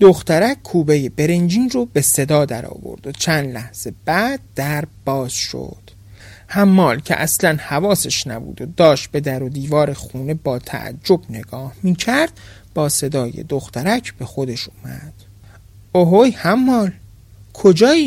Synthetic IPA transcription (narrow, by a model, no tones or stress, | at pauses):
d̪̥oxt̪æɾækkʰːuːbe̞jebe̞ɾend͡ʒiːnrobe̞se̞d̪ɒːd̪æɾɒ̰ːvo̰ɾd̪̥ot͡ʃʰæːnd̪læhz̥e̞bæːd̪̥̚ːæɾb̥ɒːz̥ʃo̰d̪̥ | hæmːɒːlcʰe̞̰ʔæslænhævɒːseʃnæbṵːd̪od̪ɒːʃt̪̚be̞d̪æɾod̪iːvɒːɾexuːne̞bɒːt̪ʰæ̰ʔæ̰d͡ʒːo̞bne̞ɡɒːhmiːcʰæɾd̪̥̚ | b̥ɒːse̞d̪ɒːjḛd̪oxt̪æɾæcʰb̥e̞xod̪e̞ʃuːmæ̰d̪̥ | oɦojhæmːɒːl | kʰod͡ʒɒːiː